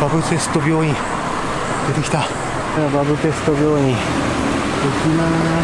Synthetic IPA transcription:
b̥abɯ̟pe̞sɨ̥t̪o̞bʲjo̞ːĩɰ | d̪̥e̞t̪ekʲi̥t̪a | aɾababɯp̪e̞sɨ̥t̪obʲjo̞ːĩ | okʲima

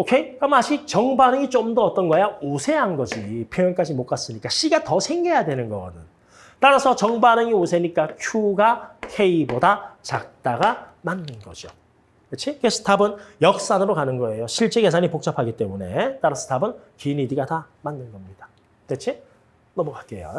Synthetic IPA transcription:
okʰe̞kʌmaɕʰit͡ɕʌŋbanɯŋit͡ɕomdʌʌt͈ʌnɡʌjaosʰe̞ɦanɡʌd͡ʑipʰjʌjʌnk͈ad͡ʑimok͈as͈ɯɲik͈aɕ͈iɡatʌsʰe̞ŋɡe̞jadwe̞nɯnɡʌɡʌ̰dɯn | t͈aɾasʰʌt͡ɕʌŋbanɯŋiosʰe̞ɲik͈akʰjuɡakʰe̞ibodat͡ɕak̚t͈aɡamanːɯnɡʌ̰d͡ʑo | et͡ɕʰikesʰɯ̥tʰabɯnjʌk̚s͈anɯɾokanɯnɡʌe̞joɕʰiɭt͡ɕ͈eɡe̞sʰaɲipok̚t͡ɕ͈apʰaɡit͈e̞mune̞t͈aɾʌsʰɯ̥tʰabɯn | kinidiɡata | manːɯnɡʌmɲid̥a | tet͡ɕʰi | nʌmukak͈̚ḛjo̰

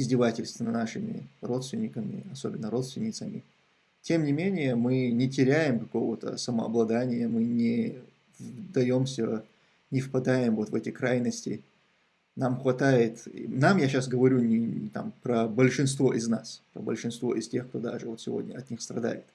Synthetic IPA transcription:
ɪzʲdʲɪvatʲɪlʲst̪vʲɪnənaʂɨmʲɪ̰ro̞t̪st̪vʲɪnʲɪkəmʲɪ̰ɐso̞bʲɪnːəɾo̞t̪st̪vʲɪnʲɪt̪səmʲɪ | tʲe̞mnʲɪmʲenʲɪjəmɨnʲɪtʲɪɾʲæjɪmkɐko̞vət̪ə̰səməɐ̰blˠɐd̪anʲɪjəmɨnʲɪ | vd̪ɐjo̞msʲə | nʲɪfpɐd̪ajɪmvo̞t̪vɛtʲɪkɾajnəsʲtʲɪ | namxvɐt̪ajɪt̪namjaɕasɡəvɐɾʲunʲɪt̪a̰mpɾəbəlʲʂɨnst̪vo̞ʔɪznaspɾə̰bəlʲʂɨnst̪vo̞̰ʔɪstʲe̞xk̚t̪o̞d̪a̰ʐɨvo̞t̪sʲɪvo̞̰dʲnʲəɐt̪nʲixst̪rɐd̪a̰jɪt̪

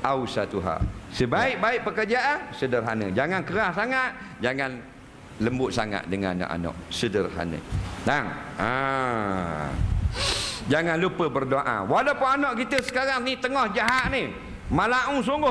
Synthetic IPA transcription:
ʔausat̪uɦa̰ʔsəbaɪʔ̚baɪʔ̚pəkərd͡ʒaʔansədərɦanə̰d͡ʒaŋankəɾahsaŋaʔd͡ʒaŋan | ləmbʊʔ̚saŋa̰ʔ̚dəŋa̰nːɔ̰ʔa̰nɔ̰ʔsədərɦa̰nə̰taŋa | d͡ʒaŋanlupəbərdoaʔa̰walapʊnanɔʔkit̪əsə̥kaɾaŋnit̪əŋɔhd͡ʒaɦaʔ̚ni | malaʔũs̬uŋɡʊ

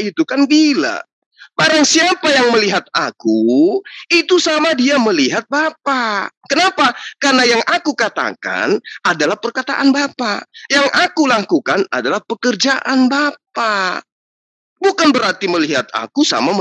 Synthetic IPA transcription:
it̪ukanbila̰ | baɾaŋsiapajaŋməliɦat̪̚aku | it̪usamadiaməliɦat̪̚bapakənapakarnajaŋʔakukat̪a̰ka̰nadalahpərkat̪a̰ʔanbapajaŋʔakulakukana̰dalahpəkərd͡ʒaʔanbap̚a | bukanbəɾart̪iməliɦat̪̚a̰kusa̰mamə

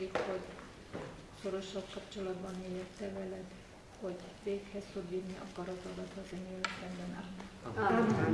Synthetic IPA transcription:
ikhoɟ | so̞ɾo̞ʃːɒlkɒpt͡ʃo̞lɒd̪bɒneɛrt̪ːɛvɛlɛd̪ | ho̞ɟveːkhɛsfod̪ːirniʔɒ̰kɒɾɒzɒɾɒt̪ɒzɛnelɛsɛmbɛnaːli

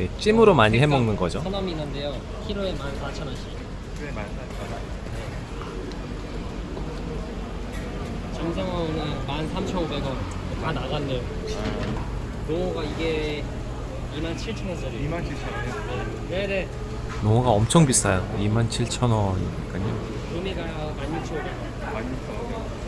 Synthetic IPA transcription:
jet͡ɕ͈imɯɾomaɲiɦe̞mʌŋnɯnɡʌd͡ʑoanaminːɯnde̞jo | kʰiɾoemanmat͡ɕʰʌnaɕʰi | eaa | a | ne | t͡ɕʌŋsʰaŋɦaonɯmansʰamt͡ɕʰʌnobeɡʌn | otanaɡanːejo | noŋuɡaiɡe | imant͡ɕʰiɭt͡ɕʰʌnʌsʌɾimant͡ɕʰit͡ɕʰ | e | ne̞ne̞ | noŋuɡaʌmt͡ɕʰʌŋbis͈ajoimant͡ɕʰiɭt͡ɕʰʌnʌḭɲik͈aɲo̰ | nomiɡa | manːit͡ɕʰioɾe | mait͡ɕʰʌ

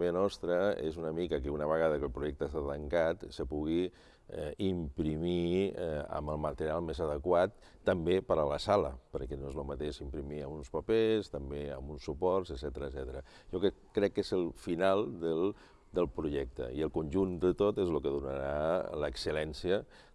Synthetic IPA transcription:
eənɔst̪ɾəḛzunəmikəkəunəβ̞əɣ̞að̞əkəlˠpɾuʒɛk̚t̪əːst̪at̪əŋkat̪səpuɣi | ɛimpɾimi | ə̰məlˠmət̪əɾialˠmezəðəkwat̪ː | əmbepəɾələsalə̰pəɾkɛnoezlumət̪eʃimpɾimiəmunspəpest̪əmbeə̰mbunsupɔɾsəzɛt̪əɾəzɛt̪əɾə | ʒɔkkːɾɛkːezəlˠfinalˠd̪əl | d̪əlˠpɾuʒɛk̚t̪ə̰ḭəlˠkunʲʒund̪ət̪ot̪ezlukəðunə̰ɾaləksəlɛnsiə

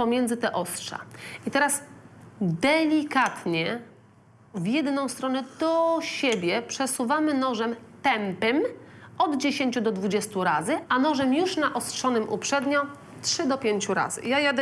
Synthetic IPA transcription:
pɔmʲjɛnd̪zɘt̪ɛʔɔstʂa̰it̪ɛɾas | d̪ɛlʲikat̪ɲɛ | vʲjɛd̪nɔ̃w̃st̪ɾɔnɛd̪ɔɕɛbʲjɛpʂɛsuvamɘnɔʐɛmt̪ɛmpɛmɔd̪d͡ʑeɕeɲt͡ɕud̪ɔd̪vud͡ʑɛst̪uɾazɘʔanɔʐɛmjuʂnaʔɔstʂɔnɘmʔupʂɛd̪ɲɔ | tʂɘd̪ɔpʲjeɲt͡ɕuɾa̰z̥ɘ̰jajad̪

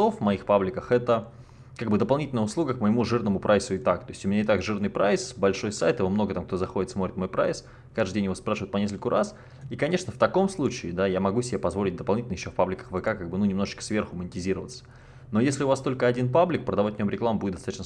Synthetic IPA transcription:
ofmɐixpablʲɪkəxɛt̪ə | kaɡ̚bɨd̪əpɐlˠnʲitʲɪlʲnəʊslˠuɡəkməɪmuʐɨrnəmʊpɾʔajsʊɪt̪akt̪o̞ɪsʲʊmʲɪnʲanʲɪt̪aɡʐɨrnɨjpɾaɪsbɐlʲʂo̞jsajt̪ɨɪvomno̞ɡət̪amk̚t̪o̞zɐxo̞dʲɪt̪smoɾʲɪt̪mo̞jpɾa̰js | kaʐd̪ɪdʲenjɪvospɾaʂɨvəɪt̪pɐnʲes̬kəlʲkʊɾʔa̰s | ikɐnʲe̞ʂnəft̪ɐko̞mslˠut͡ɕɪːd̪ajamɐɡusʲɪbʲepɐzvo̞lʲɪt̚ʲd̪əpɐlˠnʲitʲɪnəjɪɕːfpablʲɪkə̥xvəkakaɡ̚bɨnunʲɪmno̞ʐɨ̥t͡ɕkə̥svʲerxʊmənʲɪtʲɪzʲiɾəvət̪sə̥ | no̞jesʲlʲɪʊvast̪o̞lʲkəɐdʲinpablʲɪk̚pɾəd̪ɐvatʲnʲomɾʲɪklˠambudʲɪt̪st̪at̪ːt͡ɕn

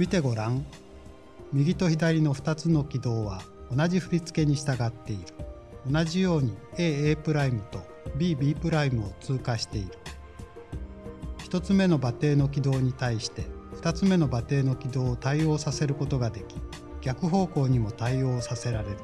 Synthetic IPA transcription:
mʲit̪e̞ɡo̞ɾãŋ̃ | mʲiɡʲit̪o̞çid̪aɾʲino̞ɸɯ̟̥t̪at͡sɨno̞kʲid̪o̞ːβ̞a | o̞naʑiɸɯ̟ɾʲit͡sɨ̥ke̞ɲ̟iɕi̥t̪aɡat̪ːe̞iɾɯ̟̥ | o̞naʑijo̞ːɲ̟ieːeːpɯ̟ɾaimɯ̟t̪o̞ | bʲiːbʲiːpɯ̟ɾaimɯ̟ot͡sɨːkaɕi̥t̪e̞iɾɯ̟̥ | çi̥t̪o̞t͡sɨme̞no̞bat̪e̞ːno̞k̬ʲid̪o̞ːɲ̟it̪aiɕi̥t̪e̞ɸɯ̥t̪at͡sɨme̞no̞bat̪e̞ːno̞kʲid̪o̞ːt̪aio̞ːsase̞ɾɯ̟ko̞t̪o̞ɡad̪e̞kʲi̥ | ɡʲakɯ̟ɦo̞ːko̞ːɲ̟imo̞t̪aio̞ːsase̞ɾaɾe̞ɾɯ̟

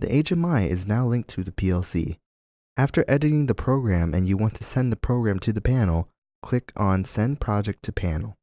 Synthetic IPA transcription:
ðḭʔeɪd͡ʒɨmaɪɪ̰znaʊlɪ̃ŋk̚tʰɨðɨpʰiɛlˠsḭ | ʔæftə˞ʔɛɾɨɾɪ̃ŋðɨpʰɹ̥oʊɡɹæ̃mɨ̰̃njɨwɑ̃ntʰɨsɛ̃nðɨpʰɹ̥oʊɡɹæ̃mtʰɨðɨpʰænl̩ˠ | kʰl̥ɪkʰn̩sɛ̃npʰɹ̥ɑd͡ʒɛk̚tʰɨpʰæ̃nl̩ˠ

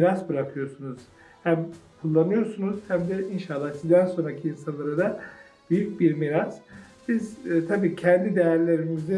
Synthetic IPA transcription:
iɾasbɯɾakʰɯjo̞ɾsunuz̥ | hæmkʰulˠːanɯjo̞ɾsunuz̥hæmd̪ɛinʃalˠːahsizd̪ænso̞nɾacʰiːnsanlˠaɾad̪a | b̥yjyc̚biɾmiɾazbizt̪ʰabiːcʰɛnd̪id̪ejæɾlʲe̞ɾimizi

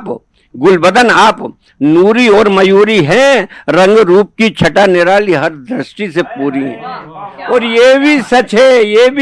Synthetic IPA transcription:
p | ɡʊlbəd̪ənaːp | nuːɾiɔːɾmɐjuːɾiɦɛ̃ɾɐ̃ŋɡɾuːp̚kit͡ʃʰɐʈanɪɾaːliɦɐɾd̪ɾɪsʈisepuːɾiɛ̃ | ɔːɾjebʱisɐt͡ʃɦɛjebʱi

